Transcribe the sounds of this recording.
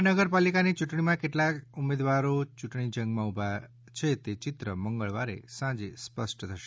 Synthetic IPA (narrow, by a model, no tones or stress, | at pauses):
nəɡəɾpalikanit͡ʃuʈɳ̃imãkeʈlakumed̪ʋaɾot͡ʃuʈɳid͡ʒə̃ŋɡmãubʱa | t͡ʃʰet̪et͡ʃit̪ɾəməŋɡəɭʋaɾḛsãd͡ʒespəsʈt̪ʰəʃe